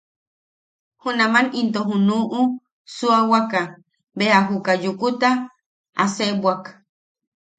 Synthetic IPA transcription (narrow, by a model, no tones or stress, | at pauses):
hunamanint̪oɦunuʔu | suawaka | beaɦukajukut̪a | a̰sebwak